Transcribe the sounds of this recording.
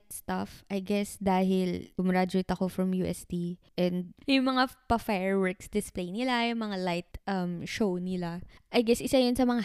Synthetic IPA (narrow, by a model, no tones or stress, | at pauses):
st̪afʔɐjɡɛsd̪aːɦɪlʊmɾad͡ʒʊɪt̪ɐkofɾɐmjuːʔɛst̪iʔɛnd̪̚jʊŋmɐŋapɐfɛɹwɛɹksd̪ɪsplejnɪlajʊŋmɐŋalajt̪̚ʔɐmʃownɪlaʔɐjɡɛsʔɪsajʊnsɐmɐŋa